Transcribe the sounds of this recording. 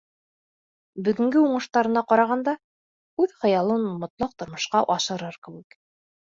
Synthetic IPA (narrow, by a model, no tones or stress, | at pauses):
bɵ̆ɡɵ̆ŋɡɘuɴɤ̆ʃt̪ɑɾɤ̆nɑqɑɾɑʁɑnd̪ɑ | ʉðχɤ̆jɑlˠɤnmŏt̪lˠɑq̚t̪ŏɾmŏʃqɑʔɑʃɤ̆ɾɤɾkɘ̆wɘ̆k